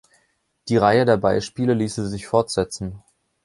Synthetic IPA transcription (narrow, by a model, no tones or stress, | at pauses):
d̥iːʁaɪədeːɐbaɪʃpiːləliːsizɪçfɔɐtz̥ɛt͡sn̩